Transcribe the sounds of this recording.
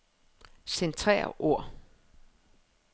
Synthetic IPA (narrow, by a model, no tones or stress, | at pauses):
sent͡sʰʁɛ̰ːɐ̰ʔo̝ɐ̰